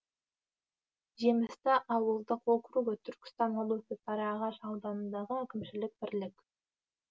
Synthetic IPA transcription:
ʒemɪst̪ɪʔɑwəlˠd̪əqoqɾuɡət̪ʰʏɾkʲɪ̥st̪ɑnolˠɵfɪp̪ʰɑɾɑːʁɑʃɑwd̪ɑnənd̪ɑʁəækʲɪmʃɪlɪk̚bɪɾlɪk

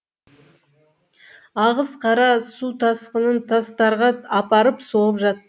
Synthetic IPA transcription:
ɑʁəzqʰɑɾɑsut̪ʰɑsqənənt̪ʰɑst̪ɑɾʁɑɑpɑɾəpso̞lˠəpʒɑt̪ːə

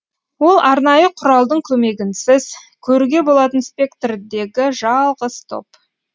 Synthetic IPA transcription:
wo̞lˠʔɑɾnɑjəqʰʊɾɑlˠd̪əɴkʲʰɵme̞ɡʲɪnsɪz | kʲʰɵɾuɡʲe̞bo̞lˠɑt̪ənspʲe̞kt̪rd̪e̞ɡʲɪʒɑlˠʁəz̥t̪ʰo̞̰p

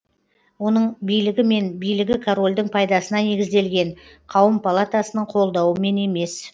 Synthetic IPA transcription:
wo̞nəɴbijlɪɡʲɪme̞nbijlɪɡʲɪkʰoɾo̞lʲd̪ɪɴpʰɑjd̪ɑsənɑne̞ɡʲɪzd̪e̞lɡʲe̞ɴqʰɑwəmpʰalˠat̪asənəɴqʰo̞lˠd̪ɑwəme̞ne̞me̞s

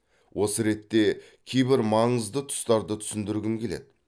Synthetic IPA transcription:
wʔo̞səɾe̞t̪ːe̞ | kʲʰejbɪɾmɑɴəzd̪ət̪ʰʊ̥st̪ɑɾd̪ət̪ʰʏ̥sɪnd̪ɪɾɡʲɪŋkʲʰe̞led̪ɪ

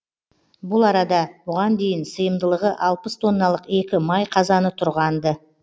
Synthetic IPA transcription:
bʊlˠɑɾɑd̪ɑbʊʁɑnd̪e̞jɪnsəjəmd̪əlˠəʁəʔɑlˠpəst̪ʰo̞nːɑlˠəqe̞kʲɪmɑjqʰɑzɑnət̪ʰʊɾʁɑnd̪ə

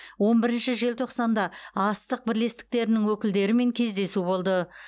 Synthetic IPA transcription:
wo̞nbɪɾɪnʃɪʒe̞lt̪ʰo̞qsɑnd̪ɑɑst̪əq̚bɪɾle̞st̪ɪ̥k̚t̪e̞ɾɪnɪŋwɵkʲɪld̪e̞ɾɪme̞ŋkʲʰe̞zd̪e̞subo̞lˠd̪ə

